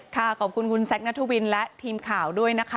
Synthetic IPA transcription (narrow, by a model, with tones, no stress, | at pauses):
kʰa˥˩kʰɔː˨˩kʰu˧nkʰu˧nsɛ˦˥k̚na˦˥t̪ʰuː˥˩wi˧nlɛ˦˥ʔt̪ʰiː˧mkʰaː˨˩˦wdu˥˩əjna˦˥kʰ